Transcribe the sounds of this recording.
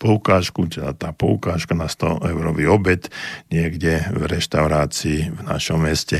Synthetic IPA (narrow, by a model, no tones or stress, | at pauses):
pɔlkaːʃkut̪ɛd̪a̰t̪aːpɔlkaːʃkanast̪ɔ̰ʔɛʊɾɔʋiɔbɛt̪ɲɪɛɡɟɛvɾɛʃt̪aʊɾaːt͡siːvna̰ʃɔmːɛscɛ